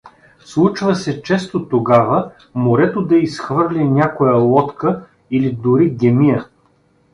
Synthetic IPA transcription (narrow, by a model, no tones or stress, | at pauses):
slˠut͡ʃvɐsɛt͡ʃɛst̪ot̪oɡavə | moɾɛt̪od̪ɐisxvɤɾlʲɛnʲakojɐlˠɔt̪kə | ilid̪ʊɾiɡʲɛmijə